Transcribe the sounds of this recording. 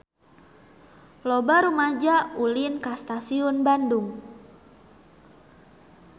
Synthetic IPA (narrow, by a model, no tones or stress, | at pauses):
lobaɾumad͡ʒaulinkast̪asiʊnbanduŋ